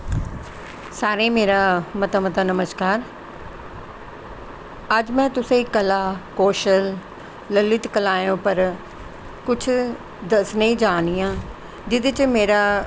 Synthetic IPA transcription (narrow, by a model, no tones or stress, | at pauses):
saːɾẽːmeːɾaːmət̪amət̪aːnəməskaːɾ | əd͡ʒmɛ̃ːt̪ʊsẽkəlaːkoːʃəlː | əlɪʈkəlaːjõːpəɾ | kʊt͡ʃʰ | d̪əsneĩːd͡ʒaːnijãː | d͡ʒɪd̪ɪt͡ʃmeːɾaː